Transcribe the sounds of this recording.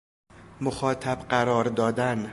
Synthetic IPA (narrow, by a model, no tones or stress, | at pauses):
moxɒːt̪ʰæbɢæɾɒːɾd̪ɒːd̪æn